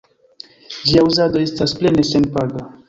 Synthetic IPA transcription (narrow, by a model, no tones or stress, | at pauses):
d͡ʒiauzad̪o̞e̞stasplenesenpaɡa